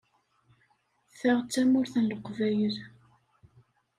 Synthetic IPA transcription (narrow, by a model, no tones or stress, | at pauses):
θæʁt͡sːæmʊɾθənləqvæjəð